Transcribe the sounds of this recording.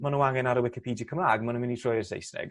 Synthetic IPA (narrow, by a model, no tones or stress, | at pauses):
manuaŋɛnaɾəwɪkipʰiːdikʰəmaːɡmanəmɪnitʰr̥ɔjərsḛjsnɛ̰ɡ